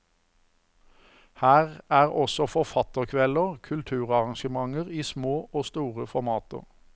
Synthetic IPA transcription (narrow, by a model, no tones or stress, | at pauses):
hæːʁæːʁɔsɔfɔʁfɑt̪əʁkʰʋɛləʁkʰʉlt̪ʰʉːʁɑʁɑŋʃəmɑŋəʁiːsmoːʔoːst̪uːʁəfɔʁmɑːt̪ə̰ʁ